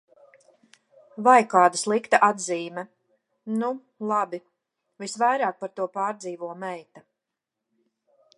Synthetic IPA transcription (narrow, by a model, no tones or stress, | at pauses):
vajkaːd̪aslˠikt̪aʔad̪ziːmɛ | nu | lˠabi | visvajɾaːk̚paɾt̪uɔpaːɾd̪ziːvuɔmɛjt̪a